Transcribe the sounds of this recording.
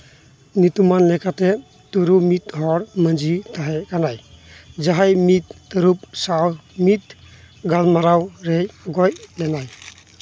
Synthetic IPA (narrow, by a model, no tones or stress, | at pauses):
nit̪umanlɛkatɛ | t̪uɾumit̪̚ɦɔɽmənd͡ʒitaɦɛkanajd͡ʒaɦajmit̪̚ːəɾup̚sawmit̪̚ | ɡalmaɾawɾejɡɔjlɛnaj